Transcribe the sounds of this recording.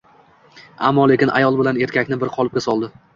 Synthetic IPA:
a̰mːɒle̞kʲɪnʔa̰jɒlˠbɪlane̞ɾt̪kʲakʲnɪbɪɾqʰɒlˠɪpkʲasɒlˠd̪ɪ

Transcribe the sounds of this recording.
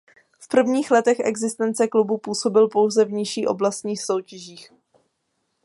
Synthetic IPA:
fpr̩vɲiːxlɛt̪ɛxʔɛ̰ɡzɪst̪ɛnt͡sɛklubupuːso̞bɪlpo̞wzɛvɲɪʃiːʔo̞̰blast̪ɲiːxsowcɛʒiːx

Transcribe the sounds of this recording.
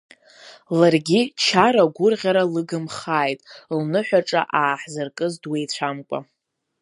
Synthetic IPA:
larɡʲit͡ʃʰaɾaɡʷʊrʁʲaɾalɨɡɨmχaːjtʼlnɨħʷᶣaʈ͡ʂʼa̰ʔaːħzɨrkʼɨzdwejt͡ɕʷʰamkʷʼa̰

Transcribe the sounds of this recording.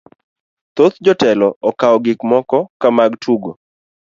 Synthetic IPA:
t̪ot̪d͡ʒɔtɛlɔɔkaɔɡɪkmɔkɔkamaɡtʰuɡo

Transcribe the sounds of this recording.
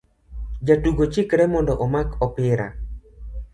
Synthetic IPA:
d͡ʒatuɡot͡ʃɪkɾɛmɔndɔʔɔmakʰɔpɪɾa̰

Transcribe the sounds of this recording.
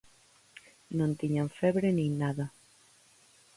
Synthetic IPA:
nõnt̪iɲaɱfɛβɾenĩŋnaða

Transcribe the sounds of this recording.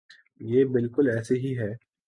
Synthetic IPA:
jeːbɪlkʊlɛːseɦiɦɛː

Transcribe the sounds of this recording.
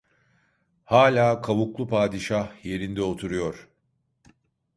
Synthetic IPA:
haːlʲaːkʰaβuklˠupʰaːd̪iʃahje̞ɾind̪ɛo̞t̪ʰuɾujo̞ɾ̥

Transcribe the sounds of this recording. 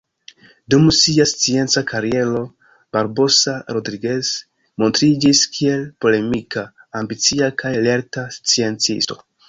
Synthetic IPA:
dumsiast͡sie̞nt͡sakʰaɾie̞lo̞ | b̥aɾbo̞saɾo̞dɾiɡe̞s | mo̞ntɾid͡ʒiskʰie̞lpo̞le̞mikaːmbit͡siakʰajale̞ɾtast͡sie̞nt͡sḭsto̞̰

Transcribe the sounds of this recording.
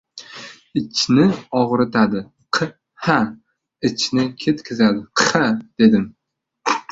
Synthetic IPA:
ɪt͡ʃʰnɪɒʁɾɪt̪ʰad̪ɪ | qʰɨ | ha | ɪt͡ʃʰnɪkʲʰe̞t̪kʲʰɪzad̪ɪqʰɨ̥had̪̥e̞d̪ɪm

